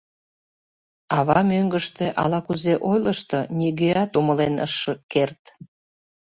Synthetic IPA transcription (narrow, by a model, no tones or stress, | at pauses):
ɑβɑmøŋɡəʃt̪eʔɑ̰lɑkuzeʔojləʃt̪ɤnʲiɣeɑt̪uməlenə̰ʃːəkːert̪